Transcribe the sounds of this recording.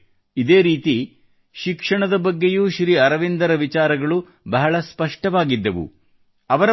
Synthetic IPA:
id̪eːɾiːt̪i | ʃikʂɐɳɐd̪ɐbɐɡːejuːʃɾiːɐɾɐʋind̪ɐɾɐʋit͡ʃaːɾɐɡɐɭu | bɐɦɐɭɐspɐʂʈɐʋaːɡid̪ːɐʋṵ | ɐʋɐɾɐ

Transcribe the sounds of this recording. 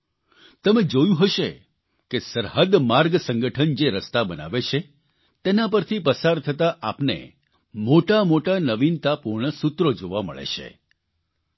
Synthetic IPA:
t̪əmed͡ʒojũɦəʃe | kesəɾɦəd̪maɾɡsə̃ŋɡəʈʰənd͡ʒeɾəst̪abəna̰ʋet͡ʃʰe | t̪enapəɾt̪ʰipəsaɾt̪ʰət̪aʔapnḛ | moʈamoʈanəʋint̪apuɾɳəsut̪ɾod͡ʒoʋamə̰ɭḛʃḛ

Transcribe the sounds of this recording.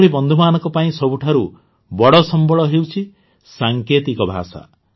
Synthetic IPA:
ɾibɔnd̪ʱumanɔ̃ŋkɔpaĩsɔbʱuʈʰaɾu | bɔɽɔsɔmbɔɭɔɦewt͡ʃʰi | saŋket̪ikɔbʱa̰sa̰

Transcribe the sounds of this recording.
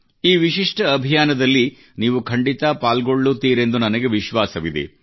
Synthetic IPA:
iːʋiʃiʂʈɐːbʱijaːnɐd̪ɐlːi | niːʋukʰɐɳɖit̪ɐpaːlɡoɭːut̪ːiːɾe̞nd̪unɐnɐɡe̞ʋiʃʋaːsɐʋid̪ḛ

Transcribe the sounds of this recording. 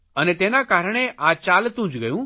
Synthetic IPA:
ənet̪eːnakaːɾɽ̃eʔaːt͡ʃaːlt̪ũːd͡ʒɡɐjũː

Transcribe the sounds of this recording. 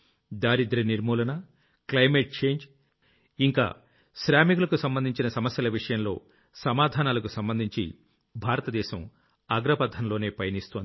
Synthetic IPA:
d̪aːɾid̪ɐɾiniɾmuːlɐnɐ | klɐjmeʈ̚t͡ʃe̞ːɲd͡ʒ | iŋka̰ː | ʃɾaːmiɡulɐkusɐmbɐnd̪iɲt͡ʃinɐsɐmɐsjɐlɐʋiʂɐjɐmlo̞̰ː | sɐmaːd̪ʱaːnaːlɐkusɐmbɐnd̪ʱiɲt͡ʃḭ | bʱaːɾɐt̪ɐd̪ɛːʃɐm | ɐɡɾɐpɐd̪ʱɐnlo̞ːne̞ːpɐjɐnist̪oːnd̪i

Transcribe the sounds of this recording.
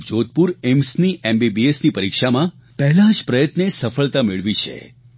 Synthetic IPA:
d͡ʒot̪̚puɾemsniembibiesnipəɾikʃamã | pɛɦlãd͡ʒpɾəjət̪nesəfəɭt̪ameɭʋit͡ʃʰḛ

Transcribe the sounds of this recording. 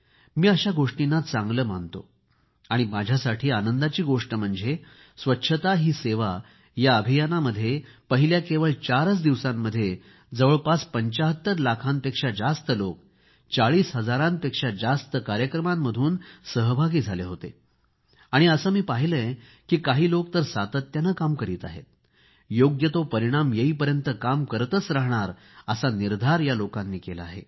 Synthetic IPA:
miːəɕaɡoʂʈinːat͡sãŋɡləːm̤ant̪o̰ | aɽ̃imad͡ʑʱjasaʈʰiːanənd̪at͡ɕiːɡoʂʈəm̤əɳd͡ze | sʋətːɕʰət̪aɦiːseʋa | jaəbʱijanaməd̪ʱːjepəɦiljakeʋəɭt͡ɕaɾət͡sd̪iʋsamːəd̪ʱːje | d͡zəʋəɭpaspəɲt͡ɕaɦət̪ːəɾlakʰãnpekʂad͡zast̪əlok | t͡saɭiːsɦəd͡zaɾãnpekʂad͡zast̪əkaɾjəkɾəmamːəd̪ʱuːnsəɦbʱaɡiːd͡zʱaleɦot̪e | aɽ̃iəsəmiːpaɦiləe | kiːkaɦiːlok̚t̪əɾsat̪ət̪janəkamkəɾiːt̪a̰ɦḛt̪ | joɡjət̪opəɾiɽ̃amjeɦiːpəɾjənt̪əkamkəɾt̪ət͡sɾaɦɳ̃aɾ | əsaniɾd̪ʱaɾjalokanːiːkelaa̰ɦe

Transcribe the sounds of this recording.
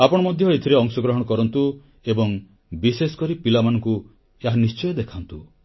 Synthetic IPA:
apɔɽ̃ɔmɔd̪ʱjɔet̪ʰiɾeɔŋsɔɡɾɔɦɔɽ̃ɔkɔɾɔnt̪u | ebɔŋ | bisesɔ̥kɔɾipilamanɔŋku | eɦanist͡ʃɔjɔd̪ekʰant̪u

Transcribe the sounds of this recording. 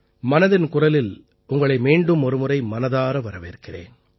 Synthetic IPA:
mɐnɐðɪnkʊrɐlɪl | ʊŋɡɐɭɐɪmiːɳɖɯmɔɾɯmɯrɐɪmɐnɐðaːɾɐʋɐɾɐʋɪɾɯkːɪrḛːn

